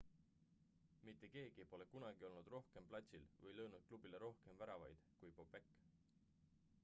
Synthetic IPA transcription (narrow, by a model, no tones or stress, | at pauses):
mit̪ːˑe̞ke̞ːɡ̥iepo̞le̞kunɑɡ̥io̞lnud̪̥ro̞hke̞mplɑt̪ʲsʲilvɤjlɤwnud̪̥̚klub̥ileɾo̞hke̞mvæɾɑvɑjd̪̥kujpobe̞kːˑ